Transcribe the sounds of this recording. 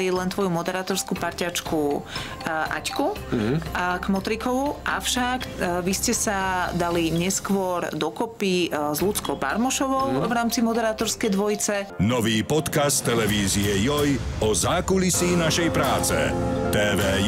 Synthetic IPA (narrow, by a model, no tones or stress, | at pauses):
jɛlɛnt̪ʋɔjumɔd̪ɛɾaːt̪ɔɾskupaɾcat͡ʃku | ʔa̰cku | ɡmɔt̪ɾikɔʋuʔa̰fʃakʋiscɛsad̪aliɲɛskʋɔɾd̪ɔkɔpizlut͡skɔʊba̰ɾmɔʃɔʋɔʊvɾaːmt͡simɔd̪ɛɾaːt̪ɔɾskɛjd̪ʋɔjt͡sɛnɔʋiːpɔt̪kastt̪ːɛlɛʋiːziɛjɔjɔzaːkulisiːnaʃɛjpɾaːt͡sɛ̰t̪ɛːʋɛː